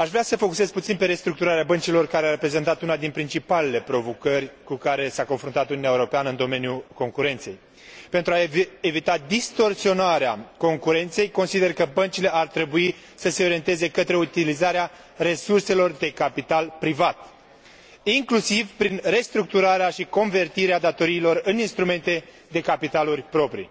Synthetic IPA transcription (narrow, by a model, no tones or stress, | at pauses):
aʃvɾeasəfo̞kuse̞zput̪sinpe̞ɾe̞st̪ɾuk̚t̪uɾaɾeabənt͡ʃilo̞rkaɾeaɾepɾe̞ze̞nt̪at̪unad̪inpɾint͡ʃipale̞le̞pɾo̞vo̞kərʲkukaɾe̞sako̞nfɾunt̪at̪ununjaeuɾo̞peanəɨnd̪o̞me̞njuko̞ŋkuɾe̞nt̪se̞j | pe̞nt̪ɾuae̞vit̪ad̪ist̪o̞rsio̞naɾeako̞ŋkuɾe̞nt̪se̞jko̞nsid̪e̞rkəbənt͡ʃile̞art̪ɾe̞bui | səse̞o̞ɾient̪e̞ze̞kət̪ɾe̞ut̪ilizaɾea | re̞surse̞lo̞rd̪e̞kapit̪alpɾivat̪ | iŋklusivpɾinre̞st̪ɾuk̚t̪uɾaɾeaʃiko̞nve̞rt̪iɾead̪at̪o̞ɾiːlo̞rɨninst̪ɾume̞nt̪e̞ | d̪e̞kapit̪alurʲpɾo̞pɾḭ